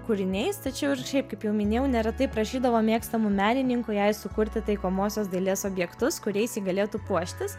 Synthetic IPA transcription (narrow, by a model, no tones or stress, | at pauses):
kʊɾʲɪnʲɛɪst̪ɐt͡ʃʲɛʊɪɾʃʲɛɪpkɐɪpjɛʊmʲɪnʲeːjɛʊnʲɛɾɐt̪ɐɪpɾɐʃʲiːd̪ɐʋoːmʲeːkst̪ɐmumʲæːnʲɪnʲɪŋkʊjɛɪsʊkʊɾʲt̪ʲɪt̪ɐɪkoːmoːsʲoːsd̪ɐɪlʲeːsoːbʲjɛkt̪ʊskʊɾʲɛɪsʲiːɡɐlʲeːt̪uːpuɔʃʲt̪ʲɪs